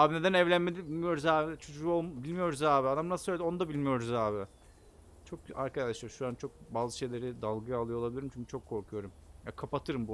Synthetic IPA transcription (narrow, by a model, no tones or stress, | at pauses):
aːbine̞d̪ænɛvlʲænmed̪ibilʲmijo̞ɾuzaːbit͡ʃʰo̞d͡ʒuolˠmbilʲmijo̞ɾuzaːbiad̪amnasɯ̥søjlʲed̪io̞nud̪abilʲmijo̞ɾuzaːbɪ | t͡ʃʰo̞ka̰ɾkʰad̪aʃlˠaɾʃuɾant͡ʃʰo̞k̚baːzɯʃe̞jlʲe̞ɾid̪alˠɡɯjalˠɯjolˠabilʲiɾimt͡ʃʰyncʰy̥t͡ʃʰo̞kʰːo̞ɾkʰujo̞ɾumjakʰapat̪ʰɯɾɯmbu